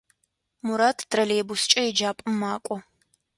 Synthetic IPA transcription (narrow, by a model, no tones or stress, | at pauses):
mʊɾaːtʰdrɐleːbʊst͡ʃʼɐjɛd͡ʒaːpʼɨmːaːkʷʼɔ